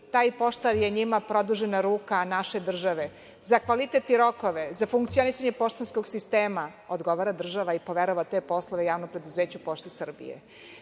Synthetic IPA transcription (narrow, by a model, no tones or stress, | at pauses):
t̪aːjpo̞ʃt̪aɾjeɲimapɾo̞d̪uʒenaɾuːkanaʃe̞d̪r̩ʒaʋe | zakʋalit̪et̪iɾo̞koʋezafuŋkt̪sio̞nisaɲe̞po̞ʃt̪ansko̞ɡsist̪eːmaod̪ɡo̞ʋaːɾad̪r̩ʒaʋaipo̞ʋeɾoʋat̪e̞ːpo̞slˠoʋejaːʋnopɾed̪uzeːt͡ɕupoʃt̪esr̩bḭjḛ